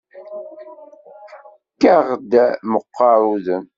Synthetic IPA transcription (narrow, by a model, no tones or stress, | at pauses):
kːaʁd̪æməqːɑɾˤuðən